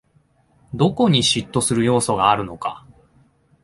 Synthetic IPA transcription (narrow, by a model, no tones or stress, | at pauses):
d̪o̞ko̞ɲ̟iɕit̪ːo̞sɨɾɯ̟jo̞ːso̞ɡaːɾɯ̟no̞ka̰